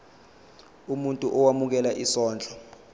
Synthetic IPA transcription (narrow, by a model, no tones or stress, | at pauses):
umuntʼuʔɔwamuk̬ɛlaʔisɔːnd͡ɮʱʼɔ